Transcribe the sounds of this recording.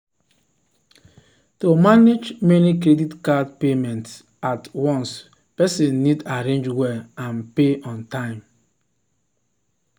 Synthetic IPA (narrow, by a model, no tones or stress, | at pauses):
tomaned͡ʒmenikɾeditkadpemɛ̃nts | atwɔ̃ns | pɛsĩnːidaɾẽnd͡ʒwɛãnpeʔɔ̃ntãɪ̃m